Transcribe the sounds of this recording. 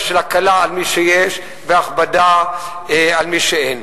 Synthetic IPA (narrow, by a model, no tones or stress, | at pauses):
ʃelakalaːlmiʃejeʃ | veaχbada | ealmiʃeen